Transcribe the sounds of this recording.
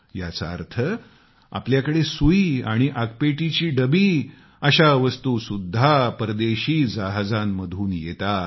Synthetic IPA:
ja̰t͡saə̰ɾt̪ʰə | a̰pljakəɽesuiaɽ̃iʔakpeʈit͡ɕiːɖəbiː | əɕaʋəst̪usud̪ʱːapɾəd̪eɕiːd͡zaɦd͡zanməd̪ʱuːnjet̪a

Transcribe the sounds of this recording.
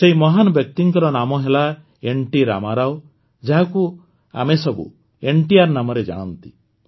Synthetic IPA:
seimɔɦanɔbjɔk̚t̪iŋkɔɾɔnamɔɦela | eɳʈiɾa̰maɾaw | d͡ʒaɦaku | a̰mesɔbṵ | eɳʈiaɾnamɔɾed͡ʒa̰ɽ̃ɔnt̪i

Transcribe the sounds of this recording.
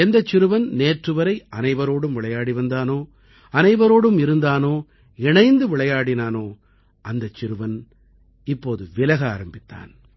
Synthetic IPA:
ɛnd̪ɐt͡ʃːɪɾɯʋɐnneːʈrɯʋɐɾɐɪɐnɐɪʋɐɾoːɽɯmʋɪɭɐjaːɽiʋɐnd̪aːnoː | ɐnɐɪʋɐɾoːɽɯmɪɾɯnd̪aːnoː | ɪɳɐɪnd̪ɯʋɪɭɐjaːɽɪnaːnoː | ʔɐnd̪ɐt͡ʃːɪɾɯʋɐn | ɪpːoːðɯʋɪlɐɣa̰ːɾɐmbɪt̪ːa̰ːn

